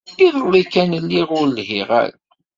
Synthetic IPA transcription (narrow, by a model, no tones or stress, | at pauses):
iðˤəlˤikænəlːiʁʊɾlhiʁæ̰ɾ